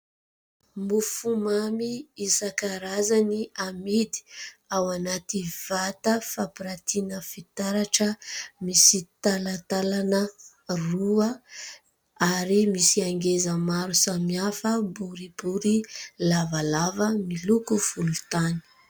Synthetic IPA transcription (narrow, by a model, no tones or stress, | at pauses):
mufumamiisakaɾazaniamid̪i̥awanat̪iv̥at̪əfapiɾat̪inəfit̪aɾaʈ͡ʂəmisit̪alat̪alanə | ruə | aɾimisiaŋɡezəmaɾusamiafəbuɾibuɾilavalavəmilukufulut̪ani̥